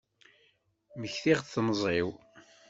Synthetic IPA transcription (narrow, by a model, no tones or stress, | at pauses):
məçθiʁθθnəzˤɪw